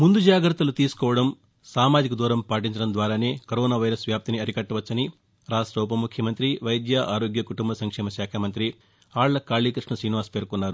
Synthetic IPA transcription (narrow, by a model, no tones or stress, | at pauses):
mund̪ud͡ʒaːɡɾɐt̪ːɐlut̪iːsu̥kɔːʋɐɽɐm | saːmaːd͡ʒikɐd̪uːɾɐmpaːʈ̬iɲt͡ʃɐɽɐmd̪ʋaːɾaːne̞ːkɐɾoːnaːʋɐjɾɐsʋjaːp̚t̪iniɐɾikɐʈːɐʋɐt͡ʃːɐni | ɾaːʂʈɾɐwp̬ɐmukʰjɐmɐnt̪ɾiʋɐjd̪jaʔaːɾoːɡjɐkuʈumbɐsɐŋkʂɛːmɐʃjaːkʰɐmɐnt̪ɾi | aːɭlɐkaːɭiːkɾiʂɳɐsɾiːniʋaːspeːɾkunːaːɾu